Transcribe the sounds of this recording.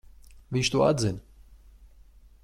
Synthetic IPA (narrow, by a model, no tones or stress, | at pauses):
viɲʃt̪ua̰d̪zin